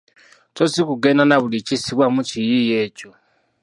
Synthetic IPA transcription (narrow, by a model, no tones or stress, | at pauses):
tosikuɡenanaβulit͡ʃisiβwamut͡ʃijijeːcʼo